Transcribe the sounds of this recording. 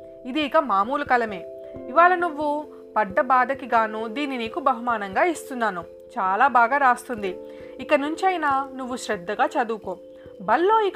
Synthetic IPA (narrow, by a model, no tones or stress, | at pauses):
id̪iːkɐmaːmuːlɐkɐlɐme̞ː | iʋaːlɐnuʋːu | pɐɖːɐbaːd̪ɐkiɡaːnud̪iːniniːkubɐɦumaːnɐŋɡaːist̪unːaːnu | t͡ʃaːlaːbaːɡaːɾaːst̪und̪i | ikɐnuɲt͡ʃɐjnaːnuʋːuʃɾɛd̪ːɐɡaːt͡ʃɐd̪uːkoːm | bɐlːo̞ːik